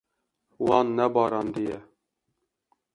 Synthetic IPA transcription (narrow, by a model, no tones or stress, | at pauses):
wɑːnːɛbɑːɾɑnd̪ijɛ